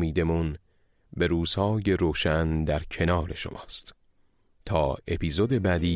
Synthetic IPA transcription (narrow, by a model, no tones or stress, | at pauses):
miːd̪e̞mun | be̞ɾuːz̥hɒːje̞ɾoːʃænd̪æɾcʰe̞nɒːɾe̞ʃo̰mʔɒ̰ːst̪ | t̪ʰɒːe̞pʰiːzod̪e̞bæːd̪iː